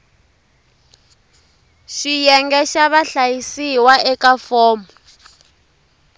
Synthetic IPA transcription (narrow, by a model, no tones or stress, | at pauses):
ʃijɛŋɡɛʃaβaɬajisiwaʔɛkafɔːmɔ